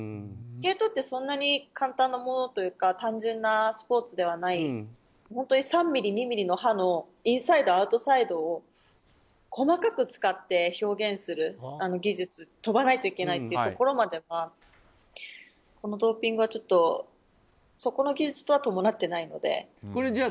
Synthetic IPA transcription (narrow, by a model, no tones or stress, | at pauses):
t͡sɨ̥ke̞t̪o̞t̪ːe̞sõ̞nːaɲ̟ikʰãnt̪ãnːamo̞no̞t̪o̞jɯ̟ːkat̪ãɲ̟d͡ʑẽnːasɨ̥po̞ːt͡sɨd̪e̞β̞anai | hõ̞nt̪o̞ɲ̟isãmːʲiɾʲiɲ̟imʲiɾʲino̞hano̞ | ĩɰ̃said̪o̞aɯ̟t̪o̞said̪o̞ː | kʰo̞makakɯ̟t͡sɨ̥kat̪ːe̞ço̞ːɡẽ̞ɰ̃sɨɾɯ̟ano̞ɡʲiʑɨt͡sɨt̪o̞banait̪o̞ike̞nait̪e̞iɯt̪oko̞ɾo̞mad̪e̞ma | ko̞no̞d̪o̞ːpʲĩŋɡɯ̟βat͡ɕo̞t̪ːo̞ | so̞ko̞no̞ɡʲiʑɨt͡sɨ̥t̪o̞β̞at̪o̞mo̞nat̪ːe̞naino̞̰d̪e̞̰